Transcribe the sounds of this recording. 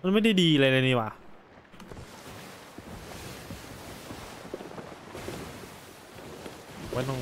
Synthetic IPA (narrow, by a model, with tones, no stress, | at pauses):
a˧nma˥˨jda˥˩jdiː˧la˧la˧niː˧˩waː˨˧˦ | wa˧˥˦nɔ˧˨